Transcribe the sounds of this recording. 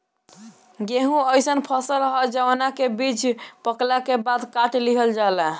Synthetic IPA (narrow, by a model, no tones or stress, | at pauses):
ɡeɦũəjsənpʰəsəlɦɔd͡ʒəwnakebid͡ʒʰʱpəklakebad̪kaʈliɦəld͡ʒala